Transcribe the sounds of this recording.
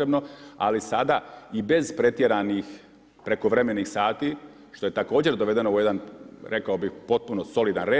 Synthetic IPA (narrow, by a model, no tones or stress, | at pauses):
ɾebno̞a̰lisad̪aibe̞zpɾe̞t̪jeɾanix | pɾe̞ko̞ʋɾe̞me̞niːxsaːt̪i | ʃt̪o̞je̞t̪ako̞ːd͡ʑe̞ɾd̪oʋe̞d̪e̞nouje̞d̪anɾe̞kaobixpo̞t̪̚punoso̞lid̪anɾeː